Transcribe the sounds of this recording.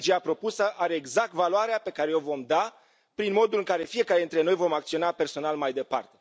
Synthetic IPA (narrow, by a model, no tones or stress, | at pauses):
d͡ʒeapɾo̞pusəʔaɾe̞ːɡzak̚t̪valoaɾeape̞kaɾe̞o̞vo̞md̪a | pɾinmo̞d̪ulɨŋkaɾe̞fie̞kaɾeɨnt̪ɾe̞no̞jvo̞makt̪sio̞nape̞rso̞nalmajd̪e̞pa̰rt̪e̞